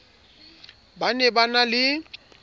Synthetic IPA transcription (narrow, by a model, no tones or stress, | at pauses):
banɛbanalɪ